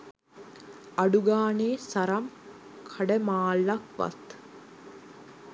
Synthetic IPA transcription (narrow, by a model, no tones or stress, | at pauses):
ɐɖuɡaːneːsɐɾɐm | kʰɐɖəmaːlːɐkʋa̰t̪